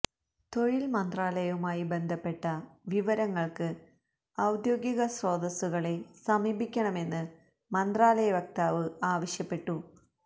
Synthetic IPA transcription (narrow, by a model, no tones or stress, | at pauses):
t̪o̞ɻilmɐnd̪raːlɐjɐumaːjibe̞nd̪ʱɐpːe̞ʈːɐʋiʋɐɾɐŋːɐɭkɨ | ɐwd̪jo̞ːɡiɣɐsro̞ːd̪ɐsuɣɐɭe̞sɐmiːbʱikʲːɐɳɐme̞nːɨ | mɐnd̪raːlɐjɐʋɐk̚t̪aːʋɨaːʋɐɕjɐpːe̞ʈːu